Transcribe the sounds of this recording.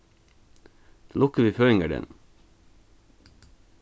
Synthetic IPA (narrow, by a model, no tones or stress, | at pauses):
lʊkəʋiːføːɪŋəɖɛ̰n